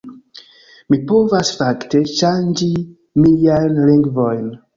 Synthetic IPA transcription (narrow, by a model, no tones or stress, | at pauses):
mipo̞vasfakteʃand͡ʒi | miliajnliŋɡvo̞jn